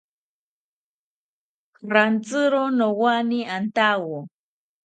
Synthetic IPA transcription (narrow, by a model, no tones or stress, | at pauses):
ɾant͡sɨɾonowaniant̪awo